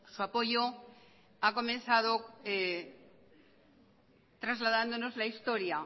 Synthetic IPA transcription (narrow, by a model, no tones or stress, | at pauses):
suapo̞ʝo | ako̞mẽ̞nθaðo̞e | t̪ɾazlaðand̪o̞no̞zlaist̪o̞ɾja